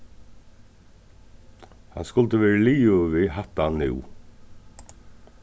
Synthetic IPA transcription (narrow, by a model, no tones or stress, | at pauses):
ha̰nskʊlt̪əʋɛːɹəliːʊʋiɦat̪anːɪ̰w